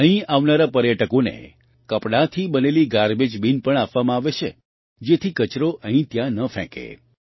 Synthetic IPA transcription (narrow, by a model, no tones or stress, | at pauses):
əɦĩaʋnaɾapəɾjəʈəkonḛ | kəpɽat̪ʰibəneliɡaɾbed͡ʒbinpəɳapʋamãaʋet͡ʃʰe | d͡ʒet̪ʰikət͡ʃɾoʔʔə̃ɦĩt̪jãnəfʰɛ̰̃kḛ